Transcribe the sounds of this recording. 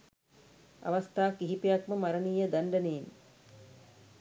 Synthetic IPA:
a̰ʋast̪aːkiɦipejakməmaɾəniːjəd̪aɳɖəneːn

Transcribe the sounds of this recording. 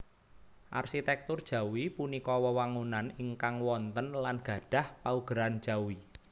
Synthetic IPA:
ʔa̰rʃit̪ɛk̚t̪ʊrd̥ʒ̥ä̤wipunikɔwəwaŋunaniŋkaŋwɔnt̪ənlanɡ̥ä̤ɖ̥a̤hpauɡ̥ɾand̥ʒ̥a̤wi

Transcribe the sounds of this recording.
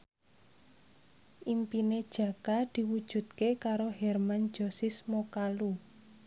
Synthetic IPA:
ʔimpined̥ʒ̥ä̤kad̪̥i̤wud̥ʒ̥ṳt̪̚kekaɾoɦɛrman̥d͡ʒɔ̤sismokalu

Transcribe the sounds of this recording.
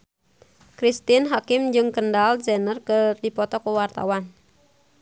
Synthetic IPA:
kɾist̪inɦakɪmd͡ʒɨŋkəndalzɛnərkɨdipɔt̪ɔkəwart̪a̰wan

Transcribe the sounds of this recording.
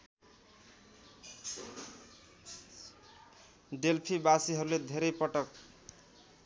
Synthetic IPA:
ɖelpʰibasiɦʌɾuled̪ʱeɾepʌʈʌk

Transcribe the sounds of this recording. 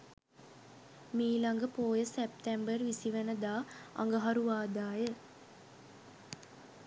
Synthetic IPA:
miːlaŋɡəpoːjəsep̚t̪ɛmbərʋisiʋənəd̪aːa̰ŋɡəɦaɾuʋaːd̪aːjə

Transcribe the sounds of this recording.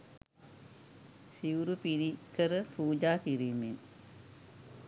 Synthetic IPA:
siʋɾupiɾikəɾəpuːd͡ʒaːkiɾiːmen

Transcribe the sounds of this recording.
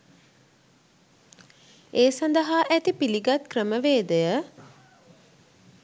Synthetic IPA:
eːsand̪əɦaʔæt̪ipiliɡat̪̚krəməʋeːd̪əjə

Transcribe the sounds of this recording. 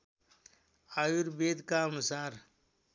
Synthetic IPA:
ajuɾbeːd̪kamusaːɾ

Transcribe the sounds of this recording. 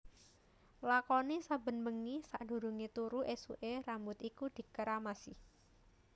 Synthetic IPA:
lakɔnisabə̤nməŋisaʔd̪̥ṳɾuŋet̪uɾuʔesuʔerambʊt̪ikud̪̥i̤kəɾamasɪh

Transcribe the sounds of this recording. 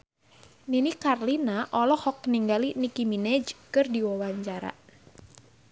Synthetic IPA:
ninikarlinaʔɔlɔhɔk̚niŋɡalinikiminɛd͡ʒkɨrdiwɔwaɲt͡ʃaɾa̰

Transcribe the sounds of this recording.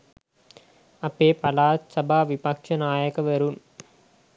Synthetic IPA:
ɐpːeːpɐlaːt̪sɐbʱaːʋipɐkʂɐnaːjɐkɐʋɐɾun

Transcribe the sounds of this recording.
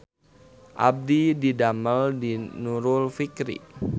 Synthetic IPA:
ʔa̰b̚dididaməldinuɾʊlfikɾḭ

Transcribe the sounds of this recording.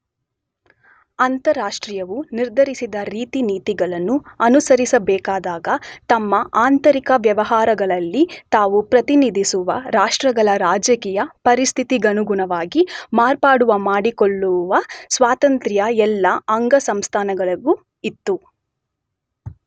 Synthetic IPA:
ɐnt̪ɐɾaːʂʈɾijɐʋuniɾd̪ʱɐɾisid̪ɐɾiːt̪iniːt̪iɡɐɭɐnːuɐnusɐɾisɐbɛːkaːd̪aːɡɐt̪ɐmːɐʔaːnt̪ɐɾikɐʋjɐʋɐɦaːɾɐɡɐɭɐlːit̪aːʋupɾɐt̪inid̪ʱisuʋɐ̰ɾaːʂʈɾɐɡɐɭɐɾaːd͡ʒjɐkiːjɐpɐɾist̪ʰit̪iɡɐnuɡuɳɐʋaːɡimaːɾpaːɽuʋɐmaːɽikoɭːuʋɐsʋaːt̪ɐnt̪ɾjɐɛlːɐɐŋɡɐsɐmst̪ʰaːnɐɡɐɭɐɡu | it̪ːu

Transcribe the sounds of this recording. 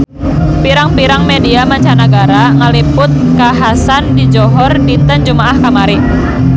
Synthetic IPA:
piɾaŋpiɾaŋmediamaɲt͡ʃanaɡaɾaŋalipʊt̪̚kaɦasandid͡ʒɔɦɔrdit̪ənd͡ʒumaʔahkamaɾɪ

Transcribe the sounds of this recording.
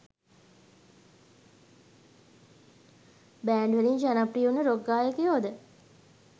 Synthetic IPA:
bæːɳɖʋeliɲd͡ʒanaprijunəɾoɡːaːjəkejoːd̪ə

